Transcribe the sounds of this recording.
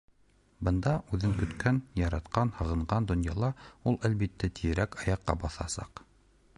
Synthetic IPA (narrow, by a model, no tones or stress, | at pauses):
bɤ̆nd̪ɑʔʉðɘŋkɵ̆t̪kænjɑɾɑt̪qɑnhɤ̆ʁɤ̆ɴʁɑnd̪ŏnjɑlˠɑulˠælβit̪ːæt̪ʰijɘ̆ɾækɑjɑqːɑ̰bɑθɑ̰sɑ̰q